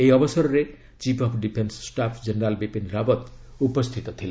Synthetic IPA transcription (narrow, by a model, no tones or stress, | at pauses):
ejɔbɔsɔɾɔɾe | t͡ʃipɔpʰɖipʰenssʈapʰd͡ʒeneɾalbipind̪ɾabɔt̪upɔst̪ʰit̪ɔt̪ʰile